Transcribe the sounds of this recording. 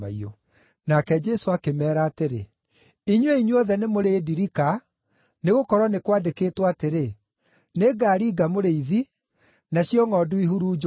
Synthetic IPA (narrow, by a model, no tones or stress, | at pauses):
aiɔ | nakɛd͡ʒɛsoakemɛːɾaːteɾḛ | iɲweiɲwɔðɛnemoɾeːdiɾika | neɣokɔɾwɔnekwadekeːtwaateɾe | neɡaːɾiːɡamoɾeiði | naɕjɔŋɔduiɦuɾuːd͡ʒ